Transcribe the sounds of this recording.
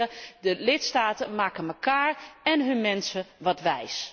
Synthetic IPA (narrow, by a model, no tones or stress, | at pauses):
ədəlɪtstaːtəmaːkəməkaːɹɛnɦɵnmɛnsəʋɑtʋɛjs